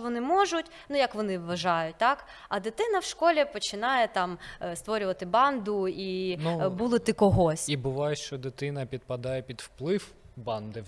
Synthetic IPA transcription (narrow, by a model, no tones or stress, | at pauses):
ʋɔnɪmɔʒʊtʲ | nujɐkʋɔnɪʋʋɐʒɑjʊt̚ʲt̪ɑk | ɐd̪ɪt̪ɪnɐwʃkɔlʲɛpɔt͡ʃɪnɑjɛt̪ɑmst̪ʋɔɾʲʊʋɐt̪ɪbɑnd̪ʊinbulˠɪt̪ɪkɔɦɔsʲibʊʋɑjɛʃt͡ʃɔd̪ɪt̪ɪnɐpʲid̪̚pɐd̪ɑjɛpʲid̪wplˠɪw | bɑnd̪ɪ